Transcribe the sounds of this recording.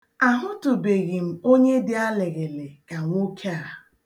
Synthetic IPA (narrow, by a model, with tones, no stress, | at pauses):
a˨ɦʊ˦tʊ˨be˨ɣɪ˨m̩˨o˦ɲe˦dɪ˦a˦le˨ɣe˨le˨ka˨ŋʷo˦kʰa˨ɾa˨